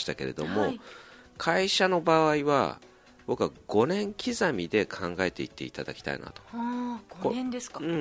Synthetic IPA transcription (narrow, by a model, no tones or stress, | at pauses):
i̥t̪ake̞ɾe̞̰d̪o̞mo̞ | kʰaiɕano̞baβaiβa̰ | b̥o̞kɯaɡ̥o̞nẽ̞ŋkʲʰizamʲid̪e̞kʰãŋɡae̞t̪e̞it̪ːe̞̰it̪ad̪akʲi̥t̪a̰ḭna̰t̪o̞̥ | kõnd̪eskɯ̟̃ɴ